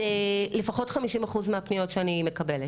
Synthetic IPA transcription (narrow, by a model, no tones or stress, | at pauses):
elefaχo̞tχamiʃimaχuzmeapnijo̞tʃeanime̞kɐbele